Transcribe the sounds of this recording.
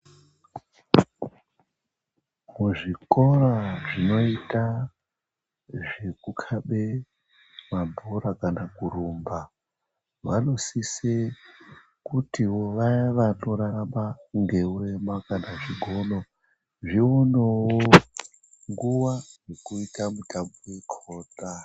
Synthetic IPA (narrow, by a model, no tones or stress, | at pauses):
muʐikoɾaʐino̞ita | ʐekukʰaɓe | mambʱuɾakanakurumba | ʋalusise | kutiwoʋaʋano̞ɾaramaŋɡe̞uremakanaʐiɡʱono̞ | ʐionowo | ŋɡuwajekuitamutambowekʰoːtʼa